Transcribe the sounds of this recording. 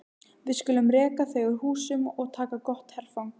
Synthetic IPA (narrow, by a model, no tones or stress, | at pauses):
vɪðskʏːlʏmrɛːkaθeɣʏɾhuːsʏmɔɣt̪ʰaːkakɔht̪hɛɾ̥fawŋ